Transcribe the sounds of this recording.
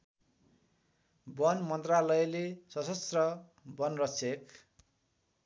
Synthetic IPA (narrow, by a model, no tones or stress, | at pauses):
bʌnmʌnt̪ralʌjlesʌsʌst̪rʌ | bʌnrʌt͡sʰek